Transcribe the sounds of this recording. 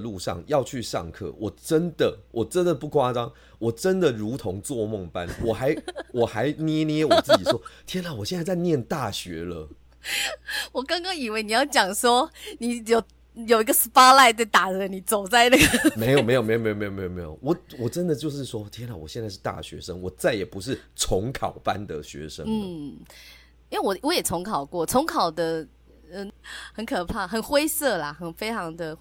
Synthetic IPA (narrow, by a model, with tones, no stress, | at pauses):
lu˥˨ʂɑ̰˥˨˩ŋjɑ˥˧ʊt͡ɕʰy˥˧ʂɑ̰˥˧ŋkʰɤ̰˥˩wɔ˨˩ʈ͡ʂə˦nd̪ə˨wʔɔ˨˩ʈ͡ʂə˦nd̪ə˨pu˥˩kʰwa˦˥ʈ͡ʂɑ˦ŋ | wɔ˨˩ʈ͡ʂə˦nd̪ə˨ɻu˨˧˥t̪ʰo˧˦ŋt͡swɔ˥˨mo˥˩ŋpa˦nwɔ˨˩xa˧˦ɪwɔ˨˩xa˧˦ɪnjɛ˦njɛ˦wt͡sɹ̩˥˧˩t͡ɕi˨˩wɔ˦˥t̪ʰjɛ˥nlɑ˨˩ʊwɔ˨˩ɕjɛ˥˧nt͡sa˥˧t͡sa˧ɪnjɛ˥˨nt̪a˥˩ɕɥɛ̰˧˦lə̰˧ | wɔ˨˩kɑ˥ŋkɑ˦ŋi˨˩we˥˩ɪni˨˩jɑ˥˩ʊt͡ɕjɑ˨˩ŋʂwɔ˥ni˨˩˦jo˨˩ʊ | jo˨ʊi˧˥ɡə˧spa˥la˥˧ɪt͡sa˥˩ɪt̪a˨˩ə˧˦ni˨˩t͡so˨˩ʊt͡sa˥˧ɪna˥˩ɡə˨˩me˧˦ɪjo˨˩me˧˥jo˨˩me˧˥jo˨me˥jo˨me˥jo˨˩me˦jo˨˩me˧˦jo̰˨˩wɔ˨˩wɔ˨˩ʈ͡ʂə˦nd̪ə˨t͡ɕjo˥˧ʊʂ̬ɻ̩˥˩˨swɔ˦t̪ʰjnlɑ˨˩wɕjnt͡sa˥˧ɪʂɻ̩˥˧t̪a̰˥˨ɕɥɛ̰˧˦ʂə˦ŋwɔ˨˩t͡sa˥˩ɪjɛ˨˩pu˧˦ʂɻ̩˥˩t͡sʰo˨˧˥ŋkʰɑ˨˩ʊpa̰˦nd̪ə˨ɕɥɛ̰˧˦ʂə̰˦˥nn̩˥˩ | i˥we˥˩wɔ˨˦wɔ˨˦jɛ˨˩t͡sʰo˧˥ŋkʰɑ˨˩ʊkwɔ˥˩t͡sʰo˧˦ŋkʰɑ˨˩ʊd̪ə˦ | ɻə˧˦nhə˧˦nkʰɤ˨˩pʰa˥˩xə˨˩nxwe˥ɪsɤ˥˩la˩xə˨˩nfe˥ɪt͡ɕʰɑ˧˦ŋd̪ə˨